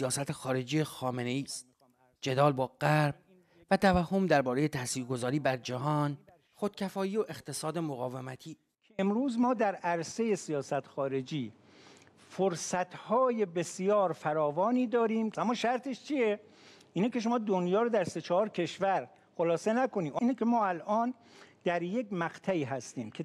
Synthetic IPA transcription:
sijɒːsæt̪ʰexɒːɾe̞d͡ʒiːjexɒːme̞ne̞iːst̪̚ | d͡ʒe̞d̪ɒːlbɒːɢ̥æɾb̥̚ | væt̪ʰævæhːo̞md̪æɾbɒːɾeje̞t̪ʰæsiːɾɡo̞zɒːɾiːbæɾd͡ʒæɦɒːn | xod̪̥̚cʰæfɒːiːoʔext̪ʰe̞sɒːd̪emoɣɒːvemæt̪ʰiː | emɾuːzmɒːd̪æɾæɾse̞je̞sijɒːsæt̪ʰxɒːɾe̞d͡ʒiː | foɾsæt̪ʰhɒːje̞be̞sijɒːɾfæɾɒːvɒːniːd̪ɒːɾiːmæmːɒːʃæɾt̪ʰeʃt͡ʃʰije | ʔiːnekeʃ̬o̞mɒːd̪onjɒːɾod̪æɾse̞t͡ʃʰɒhɒːɾcʰe̞ʃvæɾ | xolɒːse̞næko̞niːʔnekʰemɒːælʔɒːn | d̪̥æɾje̞kmæqt̪ʰæiːɦæst̪iːmcʰe

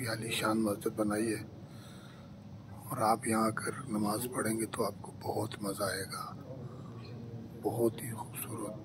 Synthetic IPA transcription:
bjaːliʃaːnmɐzd͡ʒɪd̪̚bɐnaːiɦɛː | ɔːɾaːpjɐɦãɐkɐɾnɐmaːzpɐɽ̤ẽːŋɡet̪oaːp̚kobɔɦʊt̪mɐzaɦeːɡaː | bɐɦʊt̪ɦixuːbsuːɾət̪̚

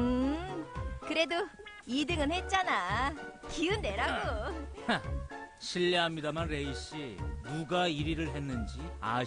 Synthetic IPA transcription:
ɯ | kɯɾe̞do | idɯŋɯnhe̞t̚t͡ɕ͈anakiɯnde̞ɾaɡoa | ɕʰiʎːeɦamɲidamanɾe̞iɕ͈inuɡaiɾiɾɯɭɦe̞nːɯnd͡ʑia̰

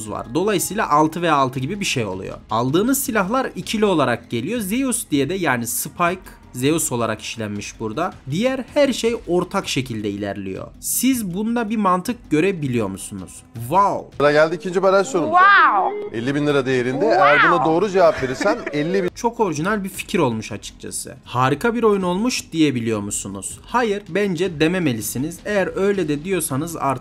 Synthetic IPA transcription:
zva̰ɾd̪o̞lˠajɯsɯjlˠa̰ʔalˠt̪ʰɯvejaːlˠt̪ʰɯɟibibiʃejo̞̰lˠṵjo̰a̰lˠd̪ɯːnɯzsilʲaɦlˠaɾicʰiio̞lˠaɾak̚ɟe̞lʲijo̞ze̞jusd̪ijed̪ɛjaːnisɯpʰajk | ze̞juso̞lˠa̰ɾa̰ki̥ʃlʲænmiʃbuɾd̪ad̪ijæɾhæɾʃejo̞ɾt̪ʰakʃe̞cʰilʲd̪ɛilʲæ̰ɾlʲḭjo̰sizbund̪abimant̪ʰɯk̚ɟø̞ɾɛbilʲijo̞̰musunṵz̥vawɾaɟælʲd̪iːcʰind͡ʒibaɾajsoɾum | ɛlʲːibinlʲˠɯɾad̪ejeɾind̪ɛejæɾbunad̪o̞ːɾud͡ʒevapveɾisænɛlʲːibit͡ʃʰo̞ko̞ɾiʒinælʲbiɾfi̥cʰiɾo̞lˠmuʃat͡ʃʰɯ̥k̚t͡ʃʰa̰sɯ̰haːɾikʰabiɾo̞juno̞lˠmuʃd̪ije̞bilʲijo̞musunṵz̥hajɯɾbænd͡ʒɛd̪e̞meme̞lʲisinize̞jæɾø̞jlʲɛd̪ɛd̪ijo̞sanɯza̰ɾ

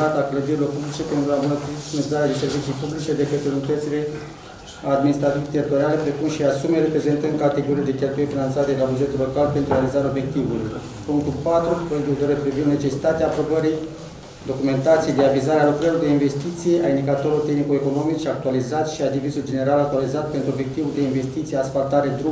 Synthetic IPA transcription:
at̪akləd̪iɾilo̞rpublit͡ʃe̞pe̞nt̪ɾuabunət̪ɾiunzaɾed̪ese̞rɾvit͡ʃijpublit͡ʃe̞d̪e̞kət̪ɾelunit̪ət̪sile̞ | ad̪minist̪ɾat̪ivt̪eɾit̪o̞ɾiale̞pɾe̞kumʃiasumeɾe̞pɾe̞ze̞nt̪ɨn̚kat̪e̞ɡo̞ɾiled̪e̞kʲe̞lt̪ujefinant̪sat̪ed̪elabud͡ʒe̞t̪ulo̞kalpent̪ɾuealizaɾeo̞bje̞k̚t̪ivuluj | puŋk̚t̪ulpat̪ɾupojed̪ut̪oɾepɾivind̪ne̞t͡ʃe̞si̥t̪at̪eaːpɾobəɾij | d̪o̞kume̞nt̪at̪sijejd̪eavizaɾealukɾəɾilord̪einve̞st̪it̪sije̞ʔaind̪ikat̪o̞ɾilort̪exnikueko̞no̞mit͡ʃak̚t̪ualizat̪ʃiad̪ivisuld͡ʒe̞ne̞ɾalak̚t̪ualizat̪̚pe̞nt̪ɾuo̞bjek̚t̪ivuld̪e̞inve̞st̪it̪sijeasfalt̪aɾe̞d̪ɾu

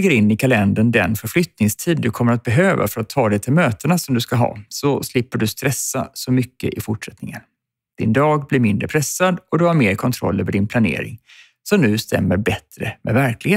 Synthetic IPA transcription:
ɡəɾɪnːɪkʰalɛnd̪əɳd̪ɛnfœɾflʏt̪nɪŋst̪ʰiːd̪̚ːɵkʰɔmːəɾat̪̚bɛɦøːva̰fœɾat̪ʰːɑːd̪ɛjt̪ʰɪlmøːt̪ənasɔmd̪ɵskaɦɑ̰ːsɔslɪpːəɖɵst̪ɾɛsːa̰sɔmʏkːə̰ʔɪfʊʈʂɛt̪nɪŋən | d̪̥ɪnd̪ɑːɡblɪɾmɪnd̪ɾəpʰɾɛsːad̪ɔd̪ɵhaɾmeːɾkʰɔnt̪ʰɾɔ̰lːøːvəɖɪnpʰlanḛːɾɪ̰ŋ | sɔmnʉ̟ːst̪ɛ̰mːəɾbɛt̪ɾəmʔɛ̰væɾklɪɡheː

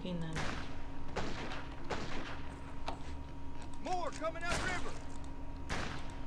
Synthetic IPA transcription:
inan | mɔɹkʰʌmɪ̃ŋaʊɾɹɪvə˞

